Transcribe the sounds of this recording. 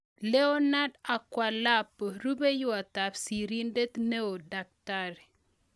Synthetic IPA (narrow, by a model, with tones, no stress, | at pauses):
le˦ɔ˦na˦da˨kwa˨la˦pːo˨ɾu˦be˦jʊ˦a˨t̪a˨psi˨ɾi˦nde˦t̪ne˦o˨da˨k̚t̪aɾe˨